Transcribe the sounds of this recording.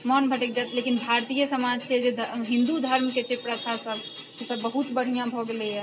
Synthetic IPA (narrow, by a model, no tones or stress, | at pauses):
mənbʱəʈekd͡ʒat̪lekinbʱaɾt̪ijəsəmad͡ʒt͡ʃʰɛd͡ʒed̪ʱɦɪ̃nd̪ud̪ʱəɾmket͡ʃʰepɾət̪ʰasəb | kesəbːəɦut̪bəɽ̤ijãbʱoɡleɛ